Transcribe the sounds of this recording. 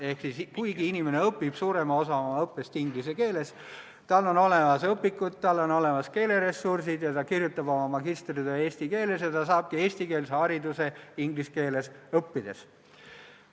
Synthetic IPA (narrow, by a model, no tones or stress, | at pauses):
e̞hksiskujɡiinimene̞ɤpːˑib̥suːɾe̞mɑo̞sɑomɑɤpːˑest̪iŋɡlise̞ke̞ːle̞s | t̪ɑlːo̞no̞lemɑsɤpːˑikːˑut̪̚t̪ɑlːo̞no̞le̞mɑske̞ːle̞ɾe̞sːursid̪̥jɑt̪ɑkirjut̪ːˑɑbo̞mɑmɑɡist̪rid̪ee̞ːst̪ike̞ːle̞sjɑt̪ɑsɑːb̥̚kie̞ːsʲt̪ike̞ːlseɑɾid̪use̞iŋɡ̥liske̞ːle̞sɤpːid̪̥e̞s